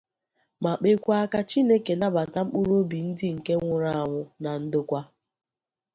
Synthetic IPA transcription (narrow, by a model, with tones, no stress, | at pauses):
ma˨k͡pe˦kʷa˦a˦ka˦t͡ʃi˦ne˦ke˨na˦ba˨ta˦m̩˦k͡pu˦ɾo˦bi˨n̩˦dɪ˦ŋ̩˨ke˦ŋʷʊ˨ɾa˦a˨ŋʷʊ˨na˨n̩˦dʊ˦kʷa˦